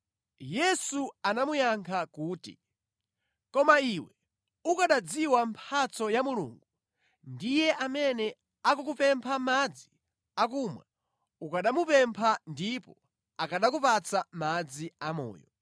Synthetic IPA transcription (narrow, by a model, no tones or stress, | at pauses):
jɛsuanamujaŋkʰakuːtḭ | kɔmaiwɛ | ukaɗad͡ziwampʰat͡sɔjamulṵːŋɡu | ndijɛʔamɛnɛ | akukupɛmpʰamad͡zi | akumwa | ukaɗamupɛmpʰandipɔ | akaɗakupat͡samad͡ziamɔ̰ːjɔ